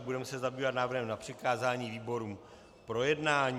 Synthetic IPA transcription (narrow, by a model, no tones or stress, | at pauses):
budɛmɛsɛzabiːvat̪naːvr̩ɾɦɛmnapr̝̥ɪkaːzaːɲiːviːbo̞ɾuːm | pɾo̞jɛdnaːɲː